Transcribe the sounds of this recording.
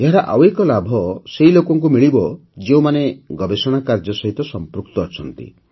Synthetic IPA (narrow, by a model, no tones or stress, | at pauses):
eɦaɾaʔawekɔlabʱɔseɦilokɔŋk̬umiɭibɔ | d͡ʒeũmaneɡɔbesɔɽ̃akaɾd͡ʒɔsɔɦit̪ɔsɔmpɾuk̚t̪ɔːt͡ʃʰɔnt̪ḭ